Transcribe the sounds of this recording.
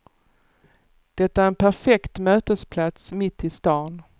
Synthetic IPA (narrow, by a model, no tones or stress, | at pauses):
d̪̥ɛt̪ːaæɾɛnpʰæɾfɛkt̪møːt̪əspʰlat̪smɪt̪ːɪst̪ɑːn